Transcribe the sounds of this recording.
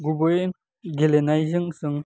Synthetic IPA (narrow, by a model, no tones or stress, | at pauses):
ɡubɯjn | ɡelenajzɯŋsɯŋ